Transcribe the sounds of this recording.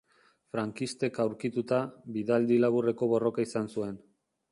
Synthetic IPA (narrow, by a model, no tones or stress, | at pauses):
fɾaŋkist̪e̞kawɾkit̪ut̪abiðald̪ilaβure̞ko̞βo̞ro̞kaisansue̞n